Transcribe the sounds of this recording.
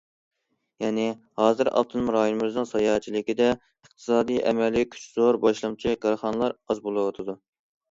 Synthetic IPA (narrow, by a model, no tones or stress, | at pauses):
jɛnɪ | hɑːzɨɾɑ̰lˠt̪ʰɨnɨmɾɑjonɨmɨznɨŋsɑjɑːɦɛt͡ʃʰilɪkʲid̪ɛ | əχt̪ʰɨ̥sɑːd̪ijʔɛ̰mɛlʲkʲʰy̥t͡ʃz̥oɾbɑʃlˠɨmt͡ʃʰikɑɾχɑnɨlˠɑɾɑzbolˠɨwɑt̪ʰɨd̪u